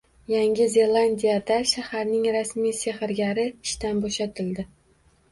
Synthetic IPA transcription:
jaŋʲɪze̞lˠand̪ijad̪aʃahaɾnɪŋɾasmijsehɪɾɡʲaɾɪɪʃt̪anboʃat̪ʰɪld̪ɪ

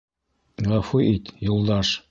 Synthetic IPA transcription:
ʁɑfuʔit̪julˠd̪ɑʃ

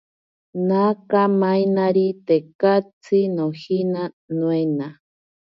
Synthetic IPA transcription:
nakamajnaɾit̪ekat͡sinohina | nw̃ena

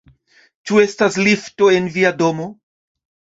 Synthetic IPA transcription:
t͡ʃue̞staslifto̞e̞nviado̞mo̞

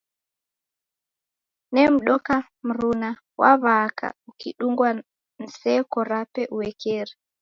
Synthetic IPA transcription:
nɛm̩ɗɔka | m̩ɾuna | wa̰βaka̰ukiɗuŋɡwa | n̩sɛkɔɾapɛʔuwɛkɛɾi

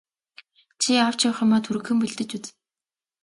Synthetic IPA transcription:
t͡ɕʰiaw̥t͡ɕawχɔ̆mɔːt̪ʰuɾɘ̆kxɘ̆mpɵɮt̪ɘ̆t͡ɕut͡s

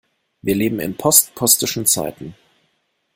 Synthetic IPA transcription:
viːɐleːbm̩ɪ̰npʰɔstpʰɔstɪʃn̩t͡sa̰ɪtn̩

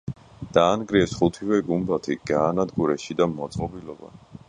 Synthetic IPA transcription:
d̪̥aːnɡɾiɛsχut̪ʰivɛɡumbat̪ʰiɡ̥aːnad̪ɡuɾɛʃid̪amɔt̪sʼqʼɔbilɔba̰

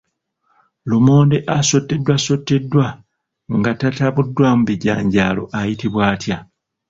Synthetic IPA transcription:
lomo̞ːnde̞ʔaso̞tːe̞dːwaso̞tːe̞dːwa | ŋɡatataβudːwamuβiɟa̰ːɲɟaːlo̞̰ʔajitiβwaːtja

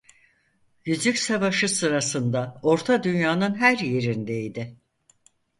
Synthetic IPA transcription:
ɟyd͡ʒycsavaʃɯsɯɾasɯnd̪ao̞ɾt̪ʰad̪ynjaːnɯnɦæɾje̞ɾind̪eid̪ɪ

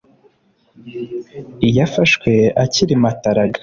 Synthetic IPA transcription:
ijafaʃkwe̞aciɾimataɾaɡḁ

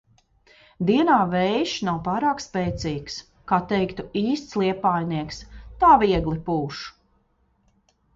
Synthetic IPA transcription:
d̪iɛnaːvɛjʃnawpaːɾaːkspɛːt̪siːks | kaːt̪ɛjkt̪uiːst̪slˠiɛpaːjniɛkst̪aːviɛɡlˠipuːʃu̥

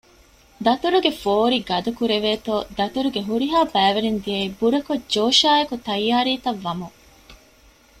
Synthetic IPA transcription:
d̪ɐt̪uɾuɡefoːɾiɡɐd̪ukuɾeʋeːt̪oːd̪ɐt̪uɾuɡeɦuɾiɦaːbæːʋeɾend̪iɐibuɾɐkod͡ʒoːʃaːekut̪ɐjːaːɾiːt̪ɐʋːɐmu

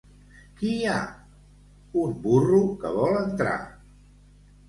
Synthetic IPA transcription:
kia | umburukə̰βɔlənt̪ɾa̰

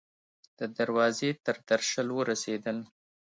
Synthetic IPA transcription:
d̪̥əd̪aɾwɑzet̪əɾd̪̥aɾʃəlwəɾased̪əl

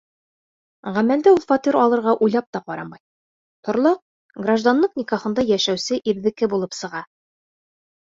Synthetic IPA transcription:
ʁæmæld̪ɘulˠfɑt̪iɾɒlˠɤ̆ɾʁɑʔujlˠɑp̚t̪ɑqɒɾɑmɑj | t̪ʰŏɾlˠɑq̚ | ɡraʒd̪anːɤqnʲikɑχɤ̆nd̪ɑjæʃæwsɘʔiɾðɘ̆kɘbulˠɤpsɤ̆ʁɑ

